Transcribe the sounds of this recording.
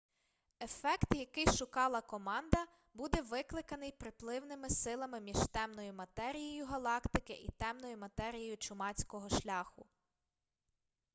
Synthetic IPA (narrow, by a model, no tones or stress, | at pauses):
e̞fɛkt̪jɐkɪjʃʊkɑlˠɐkɔmɑnd̪ɐ | bud̪ɛʋɪklˠɪkɐnɪjpɾɪplˠɪwnɪmɪsɪlˠɐmɪmʲiʒ̥t̪ɛmnɔjʊmɐt̪ɛɾʲijijʊɦɐlˠɑkt̪ɪkɪʔḭt̪ɛmnɔjʊmɐt̪ɛɾʲijejʊt͡ʃʊmɑt͡sʲkɔɦɔʃlʲɑxʊ